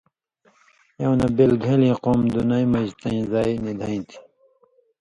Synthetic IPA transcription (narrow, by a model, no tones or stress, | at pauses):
jɐwnɐbelɡʱelĩːqoːmd̪unajmɐd͡ʑt̪ɐĩzaːjnid̪ʱaĩt̪ʰi̥